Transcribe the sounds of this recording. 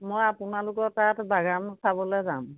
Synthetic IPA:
mojapʊnalʊkɔɹtatbaɡamsʰabɔlɔjzam

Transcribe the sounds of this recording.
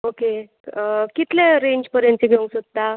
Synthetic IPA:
oke | kit̪leɾẽɲd͡ʑpəɾjãnt͡ɕeɡʱeũsət̪t̪a

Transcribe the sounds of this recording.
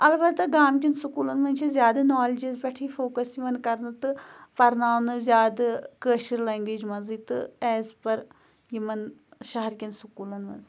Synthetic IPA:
ɐlbɐt̪ɨɡaːmkʲinsukuːlɐnmɐnt͡ʃʰizjaːd̪ɐnɔːlid͡ʒizpʲɐʈʰifoːkɐsimɐnkɐɾnɨt̪ɨpɐɾnaːwnɨzjaːd̪ɨkəːʃiɾleːŋɡʋiːd͡ʒmɐnzit̪ɨɛːzpɐɾ | jimɐnʃɐɦɐɾkʲinsukuːlɐnmɐ̰nzi

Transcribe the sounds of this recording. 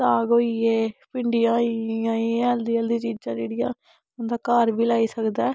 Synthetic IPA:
taːɡoːieːpɪɳɖɪjãːiãːiːɛld̪iə̃ld̪iːt͡ʃiːd͡ʒd͡ʒãːd͡ʒeːɽɪjã̰ː | nd̪aːkaːɾbiːlaːiːsəkd̪ɛː

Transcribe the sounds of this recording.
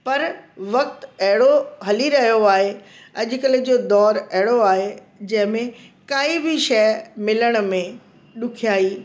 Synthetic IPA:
pɐɾʋɐk̚t̪ɐɦɪɽoɦɐliɾɐɦijoaːɦe | ɐʄʊ̆kəl̆d͡ʑoːd̪ɔːɾɐɦɪɽoaːɦe | d͡ʑɐ̃ɦɪ̃mẽkaːibʱɪʃɛːmɪləɽ̃̆mẽ | ɗʊkʰijaːɦiː

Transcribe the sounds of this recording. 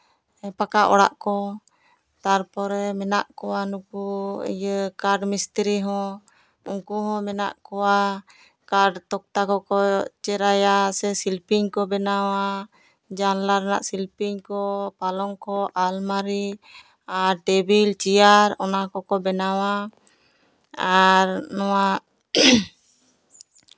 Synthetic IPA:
ɛpakaʔɔ̰ɽa̰ʔkɔ | t̪aɾpɔɾɛmɛnaʔkɔwanukuə̰jəkaɖmist̪ɾiɦɔ̃ | uŋkuɦɔ̃mɛna̰ʔkɔwa | kaɖt̪ɔk̚t̪akɔkɔt͡ʃɛɾajasɛsilpiɲkɔbɛnawa | d͡ʒanlaɾna̰ʔsilpiŋkɔpalɔŋkɔʔalmaɾi | aɾɖɛbilt͡ʃiaɾɔnakɔkɔbɛnawa | aɾnɔwaʔ

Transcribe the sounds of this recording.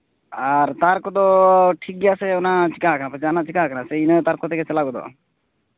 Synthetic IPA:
aɾt̪aɾkɔd̪ɔʈʰik̚ɡɛjaseunat͡ʃikaknapət͡ʃanat͡ʃikaknaseinət̪aɾkɔt̪ekɛsɛlaɡɔd̪ɔ̰

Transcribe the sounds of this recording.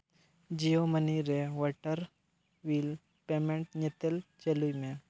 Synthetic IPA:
d͡ʒijoməniɾeʋɔʈəɾ | ʋiːl | pemẽɳʈɲet̪elt͡ʃelujmẽ

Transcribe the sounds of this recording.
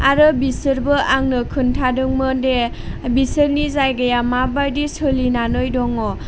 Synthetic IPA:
aɾɯbisɯɾbɯʔaŋnɯkʰɯntʰadɯŋmɯde | bisɯɾnizajɡajamabajdisɯlinanɯjdɔŋɔ

